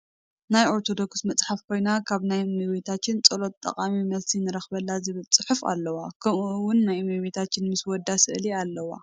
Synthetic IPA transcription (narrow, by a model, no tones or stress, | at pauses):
najo̞ɾt̪ʰo̞d̪o̞ksmɐt͡sʼħafkʰo̞jnakʰaβnajmɨwit̪ʰat͡ʃːɪnt͡sʼɐlo̞t̪̚ʼːɐ̰kʼamimɐlsinɨɾɐxbɐlːazɨβɨlt͡sʼɨħufa̰lːɐwakʰɐmuwʊnːajmɨwet̪ʰat͡ʃːɪnmɨswɔd̪ːasɨʔlialːɐwa̰